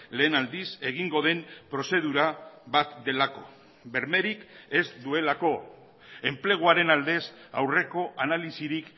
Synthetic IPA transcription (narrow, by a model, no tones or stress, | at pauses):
le̞ːnald̪ise̞ɣ̞iŋɡo̞ð̞e̞mpɾo̞se̞ð̞uɾaβat̪d̪e̞lako̞̥̰ | be̞ɾme̞ɾike̞zd̪ue̞lako̞ | e̞mple̞ɣ̞uaɾe̞nald̪e̞sawre̞ko̞ʔanalisiɾik